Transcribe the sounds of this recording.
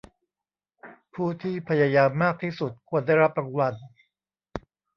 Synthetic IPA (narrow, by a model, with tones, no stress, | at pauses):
pʰuː˥˩t̪ʰiː˥˩pʰa˧jaː˧jaː˧mːaː˥˩k̚t̪ʰiː˥˩su˨˩t̪̚kʰu˧ənda˥˩jɾa˦˥p̚ɾa˧wa˧n